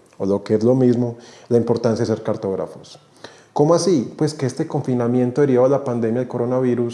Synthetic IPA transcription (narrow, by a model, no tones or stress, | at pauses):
olokeezlo̞mizmolaimpo̞ɾt̪ans̬jaðeseɾkaɾt̪o̞ɣɾa̰fos | ko̞moasipwe̞ske̞est̪eko̞ɱfinamje̞nt̪oeɾiβalapand̪e̞mjaðeko̞ɾonaβiɾus